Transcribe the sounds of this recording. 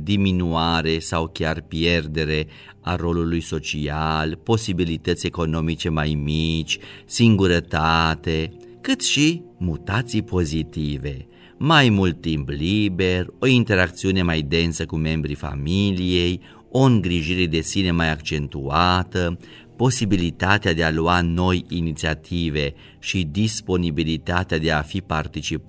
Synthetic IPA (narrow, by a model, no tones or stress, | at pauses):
d̪iminuaɾe̞sawkʲjarpjerd̪e̞ɾe̞ | aro̞lulujso̞t͡ʃialpo̞sibilit̪ət̪sʲe̞ko̞no̞mit͡ʃe̞majmit͡ʃʲsiŋɡuɾət̪at̪e̞ | kɨt̪ʃimut̪at̪sijpʰo̞zit̪ive̞ | majmult̪ːimplibe̞ro̞int̪e̞ɾak̚t̪siune̞majd̪e̞nsəkume̞mbɾifa̰milije̞j | o̞ɨŋɡɾiʒiɾed̪e̞sine̞majakt͡ʃe̞nt̪uat̪ə | po̞sibilit̪at̪ead̪e̞aluano̞jinit̪siat̪ʰive̞ | ʃid̪ispo̞nibilit̪at̪ead̪e̞afipart̪it͡ʃip